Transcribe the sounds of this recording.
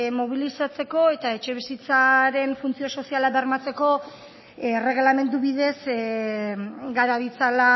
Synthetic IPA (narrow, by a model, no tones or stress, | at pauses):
mo̞β̞ilisat͡se̞ko̞e̞t̪ae̞t͡ʃe̞β̞isit͡saɾe̞ɱfunt͡sio̞so̞sialabeɾmat͡se̞ko̞ | re̞ɣ̞lame̞nd̪uβið̞e̞s | ɡaɾaβit͡sala